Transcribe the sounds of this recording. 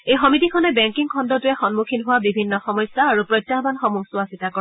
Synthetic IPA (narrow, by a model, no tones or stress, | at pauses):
ejxɔmitikʰɔnɛbɛŋkiŋkʰɔndɔtʊjɛxɔnmukʰinɦʊwabibʱinːɔxɔmɔjsːaːɹupɹɔjtːaɦbanxɔmuɡsʊwasitakɔ